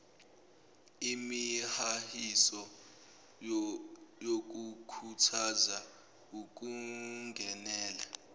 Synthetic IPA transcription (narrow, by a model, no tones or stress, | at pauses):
imihahisɔ | jok̬ukʰutʰaza | uk̬ʼuŋɡʱɛnɛːla